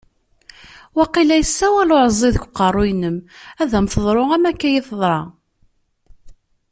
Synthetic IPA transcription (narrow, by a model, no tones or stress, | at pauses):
wæqilæjəsːæwælʊɾəzˤːeðəkʷːqːɑrˤːʊjnəmæðæmθəðˤɾˤoʁæmækːæjiθəðˤɾˤɑ